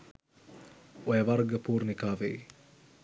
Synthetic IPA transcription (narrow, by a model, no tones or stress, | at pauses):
ojɐʋɐrɡəpuːrnikaːʋḛj